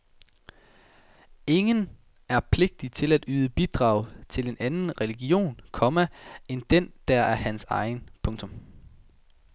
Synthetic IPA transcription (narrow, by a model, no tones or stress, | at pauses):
e̝ŋən | æɐpʰle̝ɡ̥̚d̥it͡sʰe̝læd̥yːðˠəb̥id̥ʁɑ̈ːʊt͡sʰe̝le̝nʔænn̩ʁɛliɡ̥io̝̰ːnkʰɒ̽mæend̥en̰d̥æɐæɐhænsɑ̈ɪn̩pʰɔ̽ŋt͡sʰɔ̽m